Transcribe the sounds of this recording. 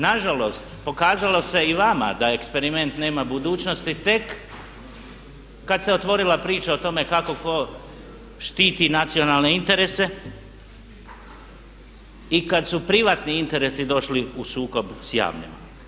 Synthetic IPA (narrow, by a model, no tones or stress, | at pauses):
naʒalo̞st̪po̞kaːzalo̞se̞iʋama̰d̪ae̞kspe̞ɾime̞nt̪ne̞ːmabud̪uːt͡ɕno̞st̪it̪e̞k | ad̪seo̞t̪ʋo̞ɾilapɾiːt͡ʃaot̪o̞me̞kako̞ko̞ | ʃt̪iːt̪inat̪sio̞nalne̞int̪e̞ɾese̞ | ikad̪supɾiʋaːt̪niint̪e̞ɾe̞sid̪o̞ʃliusuːko̞bsja̰ːʋɲḛma̰